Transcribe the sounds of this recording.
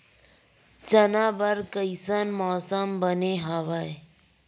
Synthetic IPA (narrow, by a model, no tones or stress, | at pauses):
t͡ʃənaːbəɾkəɪsanmɔːsəmbəneɦaʋae